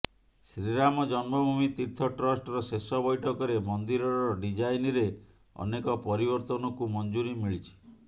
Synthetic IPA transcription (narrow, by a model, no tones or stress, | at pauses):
sɾiɾamɔd͡ʒɔnmɔbʱumit̪iɾt̪ʰɔʈɾɔsʈɔɾɔsesɔbɔjʈʰɔkɔɾemɔnd̪iɾɔɾɾɔɖid͡ʒajniɾe | ɔ̰nekɔpɔɾibɔɾt̪ɔnɔkumɔnd͡ʒuɾimiɭit͡ʃʰi̥